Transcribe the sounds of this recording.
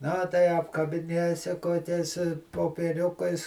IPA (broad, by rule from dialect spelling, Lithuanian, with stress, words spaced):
nɐ tɐɪ ɐpkɐbʲɪˈnʲeːsʲɪ koːˈkʲɛɪs poːpʲiɛˈrʲʊkɐɪs